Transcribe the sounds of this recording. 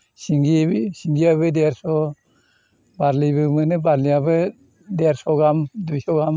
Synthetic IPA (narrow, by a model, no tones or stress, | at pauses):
siŋɡibisiŋɡiaβɯdeɾsɔ | baɾlibɯmɯnɯbaɾlijabɯ | deɾsɔɡamdujsɔɡam